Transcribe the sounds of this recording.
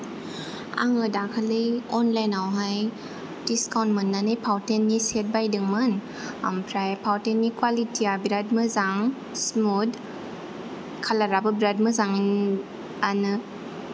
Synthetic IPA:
a̰ŋɯdakʰalijɔnlajnawɦaj | d̥iskawntmɯnːanɯjpʰawtenːiset̚bajdɯŋmɯn | a̰mpʰɾajpʰawtenːikwalitiabɾad̚mɯzaŋ | smud | kʰalaɾabɯbɾad̚mɯzaŋin | anɯ

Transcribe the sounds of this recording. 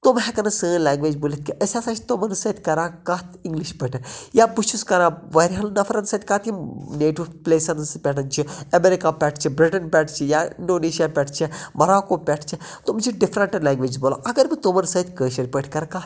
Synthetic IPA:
t̪umɦɛ̃kɐnɐsəːlãːŋɡʋeːd͡ʒboːlit̪̚ʰʲkiʔɐsʲasãt͡ʃʰi̥t̪omɐnsɐt̪ʰʲkɐɾãːkɐːt̪ʰĩŋɡliʃpəʈʰɐnjaːbuʃuskɐɾãːʋɐɾɦɐlnɐfʰɐɾɐnsɐt̪ʰʲkaːt̪ineːʈiʋpleːsɐnspʲɛʈɐnt͡ʃʰiɐmeɾikaːpʲɛʈʰt͡ʃʰibɾiʈɐnpʲɛʈʰt͡ʃʰijaːḭɳɖoːneːʃijaːpʲɛʈʰt͡ʃʰimɐɾaːkoːpʲɛʈʰt͡ʃʰi | t̪umt͡ʃʰiɖifʰɾɐɳʈlãːŋɡʋeːd͡ʒboːla̰ʔɐɡɐɾbit̪omɐnsɐːt̪ʲkəːʃɐɾʲpəʈʰkɐɾkaː

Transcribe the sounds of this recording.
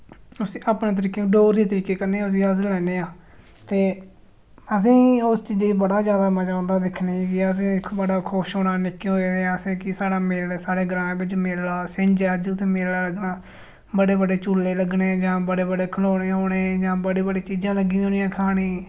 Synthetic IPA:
ʊsiːʔaːpnẽːt̪̬əɾiːkeːɖoːɾiːt̪əɾiːkeːkəɾneːãʊs̬iːəslɛːneːãː | t̪eː | əs̬ĩːʊst͡ʃiːd͡ʒebəɽaːzjaːd̪aːməd͡ʒaːʊ̃nd̪aːd̪ɪkʰneikɪəsĩːbəɽaːkʰʊʃɦoːɽaːnɪkːẽːɦoeːd̪eãːsĩːkɪsaːɽaːmeːsaːɽeːɡɾãːbɪt͡ʃmellaːsẽɲd͡ʒaːd͡ʒũːt̪ʰeːmeːlaːləɡnaː | bəɽeːbəɖeːt͡ʃuːleːləɡɳeːd͡ʒãːbəɽeːbəɖeːkʰəloːɽeːɦoːɽeːd͡ʒãːbəɽeːbəɖeːt͡ʃiːd͡ʒãːləɡĩːoːnijãːkʰaːɽiː

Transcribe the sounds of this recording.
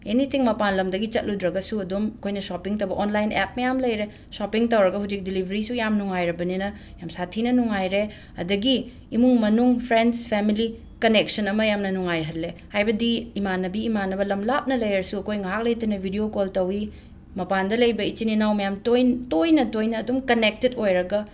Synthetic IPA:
enitʰiŋmɐpanlɐmdɐɡit͡ʃɐt̚ludɾɐɡɐsuɐdomɐkʰojnɐsopiŋtɐwbɐʔonlajnep̚mɐjamlɐjɾe | sopiŋtɐwɾɐɡɐhud͡ʒik̚dilibʱɐɾisujamnuŋajɾɐbɐninɐ | jamsatʰinɐnuŋajɾe | ɐdɐɡiː | muŋmɐnuŋpʰɾendspʰemili | kɐnek̚sɐnɐmɐjamnɐnuŋajɦɐlːehajbɐdiːmanɐbiːmanɐbɐlɐmlap̚nɐlɐjɾɐɾsuɐkʰojŋɐɦak̚lɐjtɐnɐbʱidiokoltɐwi | mɐpandɐlɐjbɐit͡ʃininawmɐjamtojtojnɐtojnɐːdumkɐnek̚tetojɾɐɡɐ

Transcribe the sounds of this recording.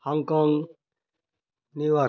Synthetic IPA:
hɔŋkɔŋ | niwa

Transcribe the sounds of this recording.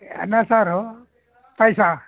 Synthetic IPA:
nasaɾo | pəjsa

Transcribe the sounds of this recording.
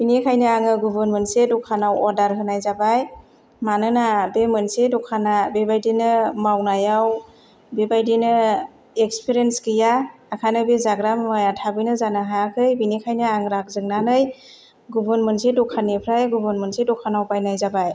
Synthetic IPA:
b̥inekʰajnɯaŋɯɡubɯnmɯnsedɔkʰanawɔɾdaɾɦɯnajzabaj | manɯnabemɯnsedɔkʰanabebajdinɯmawnajaw | bebajdinɯ | ekspʰiɾenskɯjaːkʰanɯbezaɡɾammajatʰabɯjnɯzanaɦakʰɯjbinekʰajnɯaŋɾak̚zɯŋnanɯj | ɡubɯnmɯnsedɔkʰanepʰɾajɡubɯnmɯnsedɔkʰanawpajnajzabaj

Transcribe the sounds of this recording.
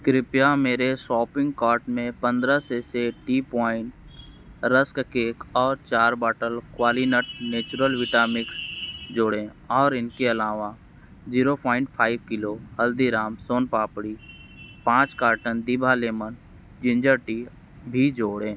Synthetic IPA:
kɾɪpjameːɾesɔːpɪ̃ŋɡkaːɾʈmẽpə̃nd̪ɾaseseʈiːpaːɪ̃ʈ | ɾəskkeːkɔːɾt͡ʃaːɾbaːʈəlkwaːlinəʈ̚neːt͡ʃʊɾəlʋɪʈaːmɪksd͡ʒoːɽẽ | ɔːɾɪnkeɐlaːʋa | d͡ʒiːɾopʰaːɪ̃ɳʈpʰaːɪbkɪloɦəld̪iɾaːmsoːnpaːpɽi | pãːt͡ʃkaːɾʈənd̪ibʱaleːmən | d͡ʒɪ̃nd͡ʒəɾʈi | bʱid͡ʒoːɽẽː

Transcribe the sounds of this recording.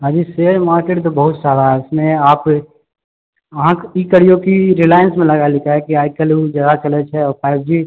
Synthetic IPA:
ɦãːd͡ʒiseɾmaːɾkeːʈt̪obəɦʊt̪saːd̪aɦɛɪsmẽaːp | əɦãkikəɽijokiɾilaːjənsmẽlɐɡalɪkaɦɛkiaːkəlud͡ʒjaːd̪at͡ʃɐlet͡ʃʰɛɔːɾpʰaːɪb̚d͡ʒiː

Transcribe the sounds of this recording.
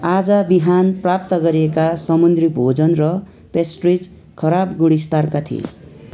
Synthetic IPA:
ad͡zʌbiɦanprap̚t̪ʌɡʌɾiekasʌmund̪ribʱod͡zʌnrʌ | pesʈrid͡z | kʰʌɾabɡuɽ̃ist̪arkat̪ʰḭḛ

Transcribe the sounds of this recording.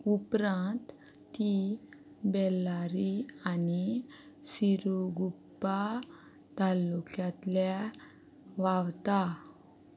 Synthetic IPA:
upɾãnt̪ː | i | bɛlːaɾianisiɾuɡupːa | t̪alːukjãt̪lja | ʋawt̪a

